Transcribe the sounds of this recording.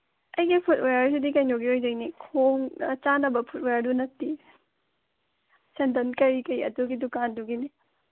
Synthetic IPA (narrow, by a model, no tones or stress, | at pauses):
ɐjɡipʰut̚ojaɾsidikajnoɡiojd͡ʒɐjnikʰoŋt͡ʃanɐbɐpʰut̚ojaɾdunɐtːi | sendɐnkɐɾikɐjɐ̰duɡidukanduɡini